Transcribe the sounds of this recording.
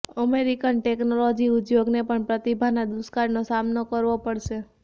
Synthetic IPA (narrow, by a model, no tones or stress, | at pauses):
əmeɾikənʈeknolod͡ʒiʊd̪joɡnepəɳpɾət̪ibʱanad̪uskaɾnosamnokəɾʋopəɽʃe